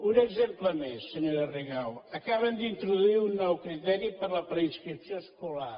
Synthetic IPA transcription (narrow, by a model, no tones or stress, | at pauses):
uɾɐzẽmplˠɐmeʃsɨɲoɾɐriɣawɐkaβɐ̃nd̪ĩnt̪ɾuðuiɾunɔwkɾit̪ɛɾjupɐɾlˠɐpɾɐĩʃkɾit̪sɐ̃ʃkulˠaɾ